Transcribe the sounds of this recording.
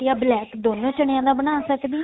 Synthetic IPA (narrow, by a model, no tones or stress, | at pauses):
ɪjaːblɛːkd̪oːnõːt͡ʃəɳ̃ejãːd̪aːbənaːsəkd̪iː